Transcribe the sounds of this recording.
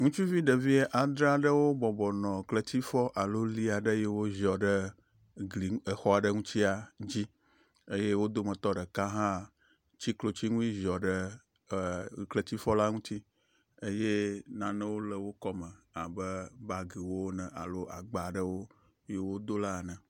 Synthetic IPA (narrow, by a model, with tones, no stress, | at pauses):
ŋũ˦t͡ʃu˦vi˦ɖə˨vi˦e˦ʔa˨d̪ɾa˨ɖə˦wo˦bɔ˨bɔ˨nɔ̃˨klə˨t̪i˦fɔ˦ʔa˨lo˦li˦a˨ɖə˦je˦wo˦zɔ˨ɖə˦ | ɡli˨ə˨xɔ˦a˨ɖə˦ŋũ˦t̪i˦a˨d͡ʑi˦ | e˦je˦wo˦d̪o˦mə̃˨t̪ɔ˦ɖə˨kã˦ɦã˦ | t͡ɕi˦klo˨t͡ɕi˦ŋũ˦i˦ʒɔ˨ɖə˦˨ | klə˨t̪i˦fɔ˦la˦ŋũ˦t̪i˦ | e˦je˦nã˨nə̃˦wo˦lə˨wo˦kɔ˦mə̃˨ | a˨bə˦ba˦ɡi˨wo˦wnɛ̃˨a̰˨lo˦ʔa˨ɡ͡ba˨ɖə˦wo˦ | je˦wo˦d̪o˦la˦˨nə̃˨